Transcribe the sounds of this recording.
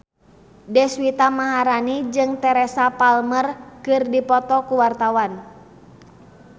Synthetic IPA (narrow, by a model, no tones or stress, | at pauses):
dɛswit̪amaɦaɾanid͡ʒɨŋt̪ɛɾɛsapalmərkɨrdipɔt̪ɔkuwart̪awan